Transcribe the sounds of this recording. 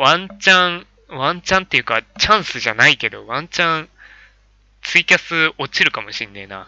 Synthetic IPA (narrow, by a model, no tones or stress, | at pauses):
βãɲt͡ɕãŋ | βãɲt͡ɕãnt̪ːe̞jɯ̟kat͡ɕãɰ̃sɨʑanaike̞d̪o̞βãɲt͡ɕãŋ | t͡sɨikʲasɨo̞t͡ɕiɾɯ̟kamo̞ɕĩnːena̰